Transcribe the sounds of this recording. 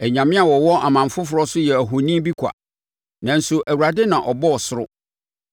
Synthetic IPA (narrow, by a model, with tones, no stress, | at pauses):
æ˨ɲã˨mɪ̃˦a˨wɔ˨wɔ˦ʔa˨mã˨m˨fʊ˦fʊ˨ɾɔ˦sʊ˦jɛ˨æ˨ɦo˨nĩ˦bi˦kʷʰa̰˨ | nã˨n̩˦sʊ˨ʔæ˨wu˨ɾa˨dɪ˦nã˨ʔɔ˨bɔ˦ɔ˨sʊ˦ɾʊ̰˦